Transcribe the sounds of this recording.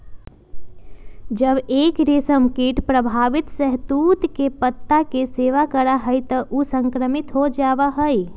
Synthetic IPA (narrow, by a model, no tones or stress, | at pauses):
d͡ʒəbekɾisəmkiʈpɾəbʱaʋit̪səɦt̪ut̪kepət̪ːakeseʋakəɾaɦəjt̪əʔusə̃ŋkɾəmit̪ɦod͡ʒaʋəɦəj